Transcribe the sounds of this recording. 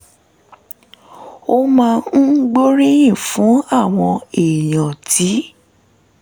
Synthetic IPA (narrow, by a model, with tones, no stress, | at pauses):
o˦mãː˧n̩˦ɡ͡bo˦ɾĩ˦jĩ˦˨fũ˨˦a˦˨w̃ɔ̃˧e˨j̃ã˨ti˨˦